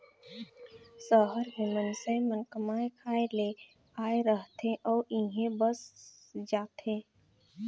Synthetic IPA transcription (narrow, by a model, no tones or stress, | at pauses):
səɦəɾɦẽmənsemənkəmaːekʰaːele | aːeɾəɦt̪ʰẽʔɔːɾĩɦẽbəs | d͡ʒaːt̪eː